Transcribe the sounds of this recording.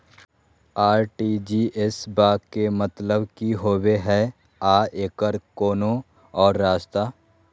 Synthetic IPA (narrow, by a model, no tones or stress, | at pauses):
aːɾʈiːd͡ʒiːʔesbaːkemət̪ləbkiɦoːweɦɛ | aːeːkəɾkoːnõ | ɔːɾːaːʃt̪aː